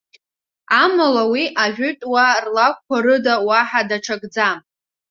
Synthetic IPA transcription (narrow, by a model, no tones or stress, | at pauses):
amalawiʔaʒʷᶣʊtʼwarlak̚ʷkʷaɾɨdawaħadaʈ͡ʂʰaɡd͡zam